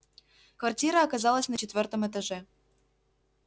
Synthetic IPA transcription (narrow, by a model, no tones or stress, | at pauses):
kvartʲiɾəːkazɑlˠəsʲnɐt͡ɕet̪vʲert̪ə̆met̪əʒĕ